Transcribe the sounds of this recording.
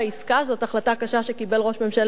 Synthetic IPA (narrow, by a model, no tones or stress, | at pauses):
iskazo̞t̪aχlat̪akaʃaʃe̞kibe̞lʁo̞ʃme̞mʃal